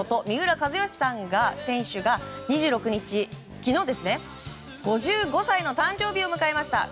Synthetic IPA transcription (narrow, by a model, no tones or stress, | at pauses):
ot̪o̞mʲiɯ̟ɾakazɨjo̞ɕi̥sãŋɡasẽ̞ɰ̃ɕɨɡaɲ̟iʑɨːɾo̞kɯ̟ɲ̟it͡ɕi | kʲino̞ːd̪e̞sɨne̞ | ɡ̥o̞ʑɨːɡo̞saino̞t̪ãɲ̟d͡ʑo̞ːbʲio̞mɯ̟kae̞maɕi̥t̪a̰